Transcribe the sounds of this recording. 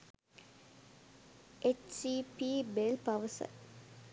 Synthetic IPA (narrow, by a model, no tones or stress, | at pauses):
ʔet͡ʃsipiːbelpaʋəsə̰